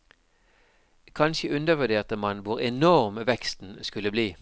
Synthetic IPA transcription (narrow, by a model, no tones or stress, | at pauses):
kʰɑnçəʉnd̪əʋʉd̪eːʁt̪əmɑnʋʊʁɛnɔʁmʋɛkst̪n̩skʉləbliː